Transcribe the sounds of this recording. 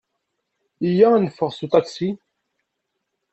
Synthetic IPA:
ijænəfːəʁsut̪ɑksi

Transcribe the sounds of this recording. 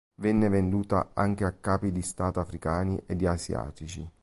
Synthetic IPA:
vɛnːevend̪uːt̪a̰aŋk̟eakːaːpid̪ist̪aːt̪afɾikaːniʔed̪ːiasja̰ːt̪it͡ʃi

